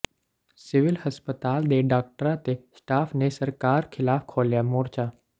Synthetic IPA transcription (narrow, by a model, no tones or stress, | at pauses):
sɪʋɪlhəspət̪aːld̪eɖaːk̚ʈəɾãt̪esʈaːfnesəɾkaːɾkʰɪlaːfkʰoːljamoːɾt͡ʃaː